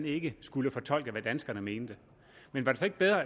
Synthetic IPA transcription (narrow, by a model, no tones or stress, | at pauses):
ne̝ɡ̥əsɡ̥uləfɒ̽t͡sʰɒ̽l̰ɡ̥əʋæd̥ænsɡ̥ɐnəme̝ːnd̥ə | menʋɑ̈ɾe̝sɒe̝ɡ̥əb̥eðˠʁɐ